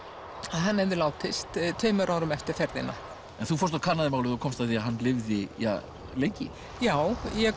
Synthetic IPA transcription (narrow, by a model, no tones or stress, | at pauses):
aðɦanːɛvðɪlaːwt̪ɪst̪t̪ʰœːɥmʏɾʔaːwɾʏmɛft̪ɪɾ̥fɛɾðɪna̰ | ɛnθufɔɾst̪akʰanːaðɪmaːwlɪθɔkʰɔmst̪avθiaɦanːlɪvðɪja̰ | lejɲcɪ | jaːwjɛ